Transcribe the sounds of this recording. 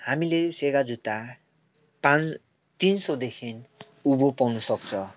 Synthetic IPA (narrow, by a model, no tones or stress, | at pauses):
hamileseɡad͡zut̪a | pãn | t̪insod̪ekʰin | ubopʌwnusʌk̚t͡sʰʌ